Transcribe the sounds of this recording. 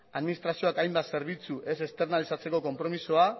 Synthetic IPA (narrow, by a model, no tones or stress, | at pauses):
aðminist̪ɾasio̞akajmbase̞ɾβit͡suʔe̞se̞st̪e̞ɾrnalisat͡se̞ko̞ko̞mpɾo̞misoa